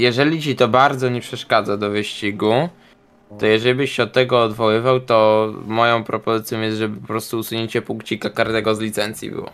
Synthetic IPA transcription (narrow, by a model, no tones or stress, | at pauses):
jɛʐɛlʲit͡ɕit̪ɔbaɾd̪zɔɲɛpʂɛʂkad̪zad̪ɔvɘɕt͡ɕiɡu | t̪ɔjɛʐɛlʲibɘɕɕɛɔt̪ːɛɡɔːd̪vɔwɘvawt̪ɔmɔjɔ̃w̃pɾɔpɔzɘt̪sʲjɔ̃w̃jɛst̪ʐɛbɘpɔpɾɔst̪uːsuɲeɲt͡ɕɛpuŋkt͡ɕikakaɾd̪ɛɡɔzlʲit̪sɛnt̪sʲjḭbɘ̰wɔ̰